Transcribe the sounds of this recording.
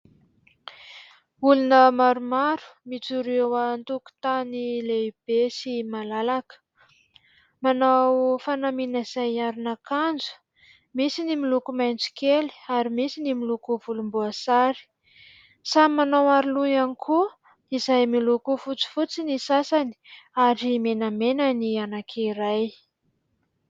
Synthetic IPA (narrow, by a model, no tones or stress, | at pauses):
ulunəmaɾumaɾu̥mit͡suɾewant̪uku̥t̪anileib̥esimalalakə̥ | manawfanaminaiz̥ajaɾunakand͡zu̥ | misinimilukumajnt͡si̥keli̥aɾimisinimilukuvulumbuasaɾi̥ | samanawaɾiluanikʰu | izajmilukufut͡si̥fut͡sinisasani̥aɾimenamenənianakʰiɾaj